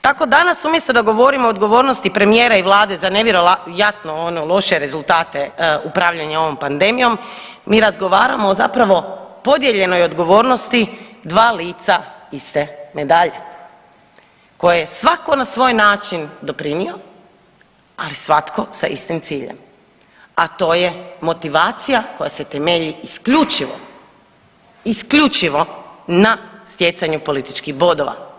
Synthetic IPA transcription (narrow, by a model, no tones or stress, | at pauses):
t̪ako̞d̪anasumje̞st̪od̪aɡo̞ʋo̞ɾimoːd̪ɡo̞ʋo̞ːɾnost̪ipɾe̞mije̞ːɾaiʋlˠaːd̪e̞zane̞ʋʲjeɾoajat̪noonolˠo̞ʃe̞ɾe̞zulˠt̪aːt̪e̞upɾaːʋʎaɲao̞ʋo̞mpand̪e̞mijo̞m | miːɾazɡo̞ʋaːɾamoːzapɾaʋo̞po̞d̪je̞ʎe̞no̞jo̞d̪ɡo̞ʋoːɾno̞st̪id̪ʋaːliːt̪saist̪e̞me̞d̪aʎe | ko̞jajesʋako̞nasʋo̞ːjnaːt͡ʃind̪o̞pɾinio | alisʋat̪kʰo̞sa̰ʔḭst̪imt̪siːʎḛm | at̪o̞ːje̞mo̞t̪iʋaːt̪sijako̞jaset̪emeʎiːskʎut͡ʃiʋo̰ | iskʎut͡ʃiʋo̞nast̪je̞t̪saɲupo̞lit̪i̥t͡ʃkixbo̞d̪oʋa̰